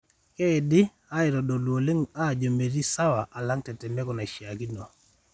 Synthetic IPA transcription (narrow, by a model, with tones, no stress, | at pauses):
kɛ˦ɪ˨dɪ˦ | a˦ɪ˨ɾɔ˨dɔ˨lwo˨le˦ŋa˦˨d͡ʒo˨me˨ɾi˦sa˦wa˨ʔa˨la˦ŋtɛ˨tɛ˨mɛ˦kɔ˨na˨ʃja˨ki˦nɔ˨